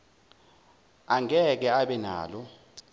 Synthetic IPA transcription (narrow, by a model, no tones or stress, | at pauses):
aŋɛk̬ɛaɓɛna̰ːlɔ